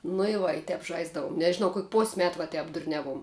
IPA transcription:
nʊ ɪ ˈʋɐ ɪ ˈtʲɛp ˈʒɐɪzdɐʋʊm nʲɛʒʲɪˈnɐʊ koːkʲ poːsʲ ˈmʲɛt ʋɐ ˈtʲɛp dʊrʲˈnʲæːˌʋuɔm

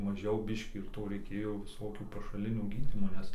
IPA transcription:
mɐˈʒʲɛʊ ˈbʲɪʃʲkʲiː ɪr ˈtoː rʲɛɪˈkʲeːjoː ʋʲɪˈsoːkʲuː pɐʃɐˈlʲɪnʲoː ˈɡʲiːdʲiːmoː ˈnʲɛs

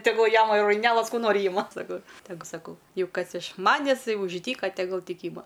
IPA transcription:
tʲɛˈɡʊlˠ ˈjæːmɐ ɪr rɐɪˈnʲæːlˠɐs ˈkuː ˈnoːrʲɪ ˈiːmɐ sɐˈkɐʊ tʲɛˈɡʊ sɐˈkɐʊ ˈjɛʊ ˈkɐs ɪʃ ˈmɑːnʲɛs ˈtɐɪ ʊʃ ˈdʲiːkɐ tʲɛˈɡʊlˠ ˈtʲɪk ˈiːmɐ

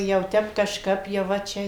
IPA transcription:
jɛʊ ˈtʲɛp kɐʃˈkɐp jɛʊ ˈʋɐ ˈt͡ʃʲɛ

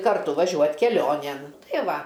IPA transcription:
kɐrˈtʊ ʋɐˈʒʲuɔt kʲɛˈlʲoːnʲeːn ˈtɐɪ ˈʋɐ

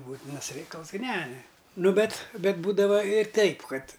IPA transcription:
ˈbuːtʲɪnɐs ˈrʲɛɪkɐlˠs k ˈnʲɛ ˈnʊ ˈbʲɛt ˈbʲɛt ˈbuːdɐʋɐ ɪr ˈtʲɛɪp ˈkɐt

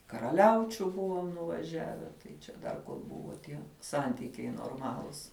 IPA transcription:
kɐrɐˈlʲɛʊt͡ʃʲʊ ˈbʊʋoːm nʊʋɐˈʒʲæːʋʲɛ tɐɪ t͡ʃʲɛ ˈdɐr ˈbʊʋoː tʲiɛ ˈsɐnʲtʲɪkʲɛɪ noːrˈmɑːlˠʊs

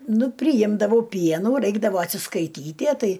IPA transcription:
ˈnʊ pʲrʲɪˈjɪmdɐʋɐʊ ˈpʲiɛnuː ˈrɐɪɡdɐʋoː ɐtʲsʲɪskɐɪˈtʲiːtʲiɛ ˈtɐɪ

